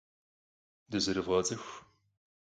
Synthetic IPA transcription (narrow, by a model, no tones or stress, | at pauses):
dɨzɨɾɨvʁɐt͡sʼɨxʷ